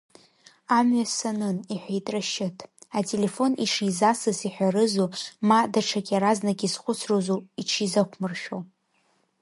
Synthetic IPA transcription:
amɥasanɨniħʷᶣejtʼraʃɪtʰatʼele̞fo̞nḭʂizasɨsiħʷᶣaɾɨzumadaʈ͡ʂʰakʲʼaɾaznaɡʲʼizχʷʊt͡sʰrozuiʈ͡ʂʰizakʷʰmɨrʃᶣo̰w

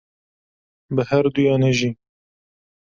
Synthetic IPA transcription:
bɨhɛɾd̪ujɑːnɛʒiː

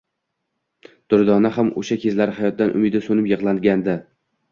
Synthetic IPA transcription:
d̪̥ʊɾd̪ɒnahamo̰ʃakʲʰe̞zlaɾɪhajɒt̪̚d̪anʔʊ̰mɪd̪ɪsonɪpjɨʁlˠanɡʲand̪ɪ

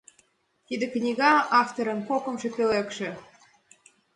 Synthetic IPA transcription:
t̪id̪ĕknʲiɡɑɑft̪oɾə̆nkokə̆mʒĕpʲelekʃĕ

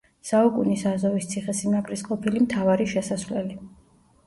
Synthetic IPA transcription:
saukʼunisazɔvist̪sʰiχɛsimakʼɾisqʼɔpʰilimt̪ʰavaɾiʃɛsasvlɛli

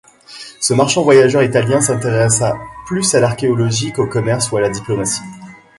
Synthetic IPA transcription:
səmaʁʃɑ̃vwajaʒœʁit̪aljɛ̃sɛ̃t̪eʁɛsaplysalaʁkʲeɔlɔʒikokɔmɛʁsualad̪iplɔmasi̥

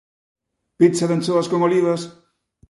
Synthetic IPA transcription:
pisaðensoaskoŋoliβas

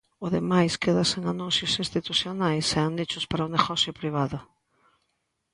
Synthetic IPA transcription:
ʊðemajskeðaseŋanũnsjʊsĩnst̪it̪usjonajsɛand̪it͡ʃʊspaɾaʊneɣɔsjʊpɾiβ̞aðʊ

